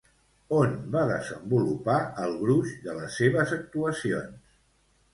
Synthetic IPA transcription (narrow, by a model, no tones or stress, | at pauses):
onbaðəzəmbulupaəlˠɣɾuʒd̪ələsːeβəzək̚t̪uəsions